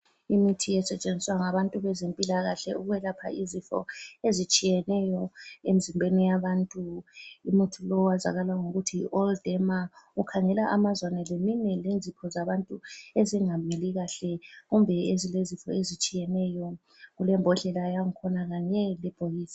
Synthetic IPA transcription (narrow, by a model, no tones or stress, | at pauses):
imitʰijɛsɛt͡ʃʼend͡zʱiswaŋaβantʼuβɛzempʼilaɣaɬɛuɣuβɛlapʰa̰izifɔ̰ezit͡ʃʼijɛnɛjɔemizimbʱenijaβantʼuimutʰulɔwaza̰ɣalwaŋoɣutʰḭʔɔldɛmaukʰaŋɛlaʔamazwanɛleminɛlend͡zʱipʰɔzaβantʼueziŋamiliɣaɬɛɣumbʱɛezilezifɔ̰ezit͡ʃʼijɛnɛjɔ | ɣulɛmbʱɔɮɛlajaŋikʰɔnaɣaɲɛlɛb̥ʱojiːsi̥